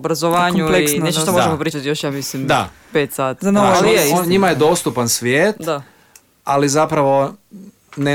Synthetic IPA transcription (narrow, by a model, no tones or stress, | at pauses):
bɾazoʋaːɲuleksneʃt̪oʃt̪ooʒemopɾiːt͡ʃat̪ijoʃjaːmislimd̪a | pet̪saːt̪anolioɲimajed̪o̞st̪upansʋjeːt̪d̪a | alizapɾaʋo̞ | ne